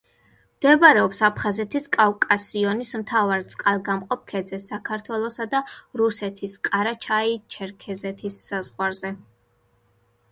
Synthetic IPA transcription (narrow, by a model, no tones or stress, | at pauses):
md̪̥ɛvaɾɛɔpsapχazɛt̪ʰiskʼavkʼasiɔnismt̪ʰavaɾt̪sʼqʼalˠɡamqʼɔp̚kʰɛd̪zɛsːakʰaɾt̪ʰwɛlˠɔsad̪aɾusɛt̪ʰisqʼaɾat͡ʃʰait͡ʃʰɛɾkʰɛzɛt̪ʰisːazʁwaɾzɛ